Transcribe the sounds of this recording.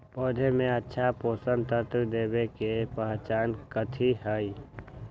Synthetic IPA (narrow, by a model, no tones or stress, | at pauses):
pɔːd̪ʱemẽətːʃʰapoːsənt̪əɾt̪d̪eːbekepəɦt͡ʃaːnkət̪ʰiɦəi